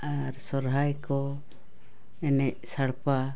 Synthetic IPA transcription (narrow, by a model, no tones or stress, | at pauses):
aɾsɔɾɦajkɔ | ɛnɛʔsaɽpa